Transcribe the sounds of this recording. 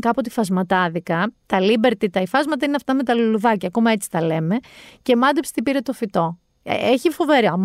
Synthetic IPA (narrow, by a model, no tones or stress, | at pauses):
kɐpot̪i̥fɐzmɐt̪ɐðikɐt̪ɐlibe̞ɾt̪it̪ɐifɐzmɐt̪ɐineɐft̪ɐme̞t̪ɐluluðɐcɐːkomɐe̞t͡si̥θɐle̞me̞ce̞mɐnd̪epsi̥t̪ipiɾe̞t̪o̞fit̪o̞ | eçifo̞veɾiom